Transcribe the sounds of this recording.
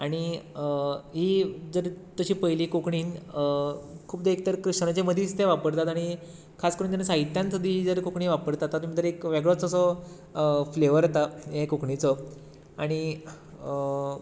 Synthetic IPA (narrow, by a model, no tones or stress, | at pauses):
aɽ̃i | ɦiːd͡zəɾt̪əɕiːpəjliːkokɳiːn | kʰuːpd̪eek̚t̪əɾkɾiʂnat͡ɕeməd̪ʱiːst̪ʰeʋapəɾt̪at̪aɽ̃i | kʰaskəɾuːnt̪anːesaɦit̪jãnt̪əd̪ʱiːd͡zəɾkokɳiːʋapəɾt̪at̪ːat̪umĩd͡z̪əɾekʋeɡɭɔt͡səsɔ | fleʋəɾt̪aekokɳit͡sɔ | aɽ̃i